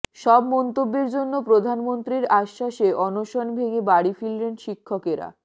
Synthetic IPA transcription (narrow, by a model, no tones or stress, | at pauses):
ʃɔbmɔnt̪obːeɾd͡ʑonːopɾod̪ʱanmont̪ɾiɾaʃːaʃeʔɔnoʃonbʱeŋebaɽifillenʃikʰːokeɾa̰